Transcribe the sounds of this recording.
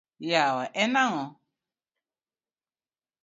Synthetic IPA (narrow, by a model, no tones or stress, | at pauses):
jawaʔɛnãŋɔ̃